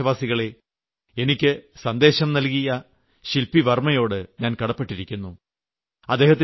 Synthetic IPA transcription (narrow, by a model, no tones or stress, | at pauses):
ɐʋaːsiɣɐɭe̞ | enikʲːɨsɐnd̪e̞ːɕɐmnɐlkijɐ | ɕilpiʋɐrmɐjo̞ːɽɨɲaːnkɐɽɐpːeʈːiɾikʲːunːu | ɐd̪ːe̞ːɦɐt̪̬ː